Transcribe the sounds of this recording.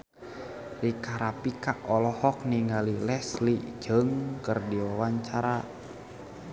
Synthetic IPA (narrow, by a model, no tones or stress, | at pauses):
likaɾapikaʔɔlɔhɔk̚niŋalilɛslid͡ʒəŋkərdiwawaɲt͡ʃaɾa